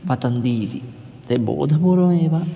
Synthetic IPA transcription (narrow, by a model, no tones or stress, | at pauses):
pat̪and̪iːd̪i | t̪ebo̰ːd̪ʱapoɾoŋeʋa